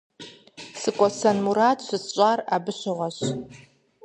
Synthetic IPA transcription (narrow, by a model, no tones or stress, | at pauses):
sɨkʷʼɔsanmuɾatʰʃʷɨst͡ʃʷʼarabɨɕʷʊʁʷaɕ